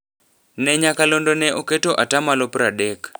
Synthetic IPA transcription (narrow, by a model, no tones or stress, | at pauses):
nɛɲakalondɔnɛʔoketoʔatamalopɾaɗɛk